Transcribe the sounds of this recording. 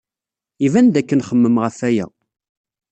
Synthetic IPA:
ivænd̪ækːənχəmːəmʁəfæjæ̰

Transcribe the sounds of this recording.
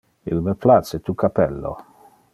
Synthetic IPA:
ḭlmeplat̪set̪ukapɛlːo̰

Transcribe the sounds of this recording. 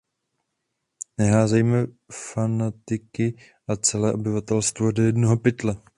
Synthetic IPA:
nɛɦaːzɛjmɛ | fanat̪ɪkɪ | ʔat͡sɛlɛːʔo̞bɪvat̪ɛlst̪vodɛjɛdnoɦopɪt̪lɛ

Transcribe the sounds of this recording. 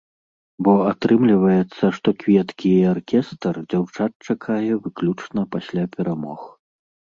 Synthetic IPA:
bɔat̪ɾɨmlʲivɐjɛt̪sːɐʂt̪ɔkvʲɛt̪kʲiarkʲɛst̪rd͡zʲawt͡ʂat̪̚t͡ʂakʰajɛvɨklʲut͡ʂnɐpasʲlʲapʲɛɾamɔx

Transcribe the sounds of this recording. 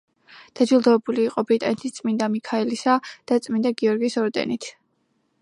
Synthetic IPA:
d̪̥ad͡ʒilˠd̪ɔɛbuliːqʼɔbɾit̪ʼanɛt̪ʰist̪sʼmind̪amikʰaɛlisad̪̥at̪sʼmind̪aɡiɔɾɡisɔɾd̪ɛ̰nit̪ʰ

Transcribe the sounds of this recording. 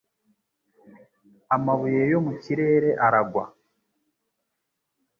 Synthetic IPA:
amaβujejo̞muciɾe̞ːɾe̞ʔaɾaɡwa̰

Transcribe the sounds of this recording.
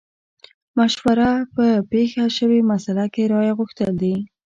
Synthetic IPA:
maʃwaɾapəpexaʃəwemasalakeɾɑjaɣʊxt̪əld̪i

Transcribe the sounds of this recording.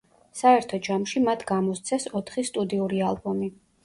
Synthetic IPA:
saɛɾt̪ʰɔd͡ʒamʃimat̪ʰɡamɔst̪sʰɛsɔt̪ʰχist̪ʼud̪iuɾialˠbɔmi

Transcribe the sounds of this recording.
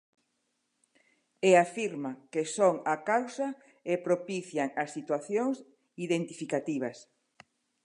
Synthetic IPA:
eafiɾmakesoŋakawsɐ | epɾopiθjaŋasːit̪waθjoŋs | iðent̪ifikat̪iβ̞ɐs

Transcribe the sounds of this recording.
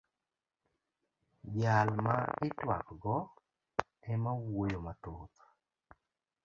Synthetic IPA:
bjalmaɪtwa̰kɡɔ | ɛmawojomatot̪

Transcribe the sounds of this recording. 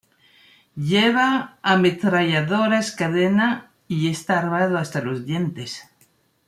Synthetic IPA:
ʎeβaːmet̪ɾaʝaðoɾaeskaðena | iest̪aːɾβaðoast̪alozðjent̪es

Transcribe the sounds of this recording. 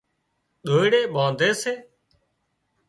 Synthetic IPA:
ɗ̪ʱoːiɽeːɓãːnd̪ʱeːseː

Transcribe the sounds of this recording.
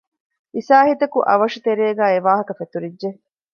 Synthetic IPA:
ʔisaːɦit̪ɐkuʔɐʋɐʃut̪eɾeːɡæːeʋaːɦɐkɐfet̪uɾidʒe

